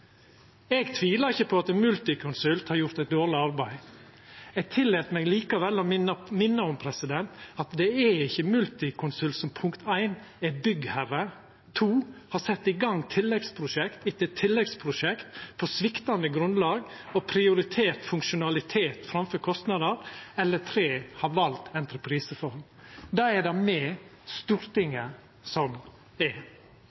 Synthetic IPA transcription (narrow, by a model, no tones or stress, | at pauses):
ɛɡt̪ʰʋiːləɾɪçːəpʰɔɑt̪ɛnmʉlt̪ɪkʰʊnsʉlt̪hɑɾjʊɾt̪æɪt̪̚d̪oːɾɭɪɑɾbæɪ | ɛɡ̚t̪ʰɪlːeːt̪mɛːɡliːkɑʋɛlːɔmɪnːəɔmpʰɾɛsɪd̪ɛnt̪ɑt̪d̪ɛɛɪçːəmʉlt̪ɪkʰʊnsʉlt̪sɔmpʰʊŋkt̪æɪnɛbʏɡhæɾə | t̪ʰuːhɑsɛt̪ːɪɡɑŋːt̪ʰɪlːɛɡspʰɾʊʂɛkt̪ɪtːət̪ʰːɪlːɛɡspʰɾʊʃɛkt̪pɔsʋɪkt̪ɑnd̪əɡɾʉnlɑːɡ | ɔpʰɾɪʊɾɪt̪ʰeːɾt̪fʉŋkʃʊnɑlɪt̪ʰeːt̪fɾɑmfœɾkʰɔst̪nɑd̪əɾɛlːət̪ʰɾeːhɑɾʋɑlt̪ɛnt̪ɾəpʰɾiːsəfɔɾm | d̪ɑːɛdɑmɛst̪uːɾt̪ɪŋːə | sɔm | ɛ